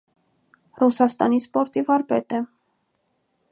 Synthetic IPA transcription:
rusɑst̪ɑ̰nispɔɾt̪ivɑɾpɛt̪ɛ

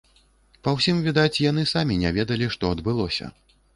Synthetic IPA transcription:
pɐwsʲimvʲid̪at͡sʲjan̪ɨsamʲinʲɛvʲɛd̪ɐlʲiʂt̪ɔɐd̪bɨlˠɔsʲɐ̰

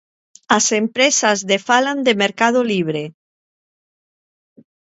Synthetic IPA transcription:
asempɾesazðefaland̪emeɾkað̞oliβ̞ɾe

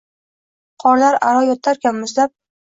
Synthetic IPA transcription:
qʰɒɾlaɾaɾɒjɒt̪ʰːaɾkʲanmʊzlap̚

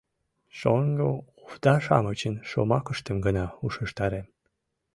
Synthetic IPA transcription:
ʃoŋɡouft̪ɑʃɑ̰mət͡ɕənʃo̰mɑkəʃt̪əmɡənɑuʃəʃt̪ɑɾem

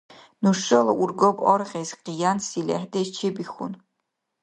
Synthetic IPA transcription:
nuʂɐlɐʔurɡɔbɔrʁʲezqijansilʲɛ̰ħdet͡ʃʰebixʊ̰n

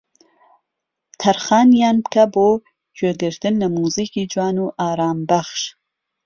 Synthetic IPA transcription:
t̪ʰaɾχɑːnjɑːnpkabo | t͡ʃød̪əɾt̪ɨnlamuzikid͡ʒwɑːnuʔɑːɾɑːmbaχʃ

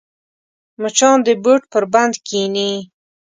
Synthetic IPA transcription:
mʊt͡ʃɑnd̪əboʈ̚pəɾband̪kʰini

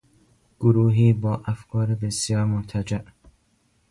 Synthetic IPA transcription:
ɡ̥ʊɾuːɦiːbɒːʔæfkʰɒːɾebesijɒːɾmont̪ʰæd͡ʒæʔ

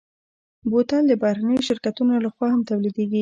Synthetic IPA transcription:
bot̪ald̪əbɑhɾanəjoʃɪɾkat̪unolaxwɑhamt̪awlid̪eɡi

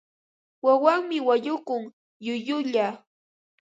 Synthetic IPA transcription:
wawaŋmɪwaʎʊkʊŋ | jʊjʊʎa

